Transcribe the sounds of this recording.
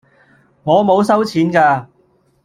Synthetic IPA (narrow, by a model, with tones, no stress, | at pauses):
ŋɔː˨˧mo˨˧wsɐ˥wt͡sʰiː˨˥nkaː˧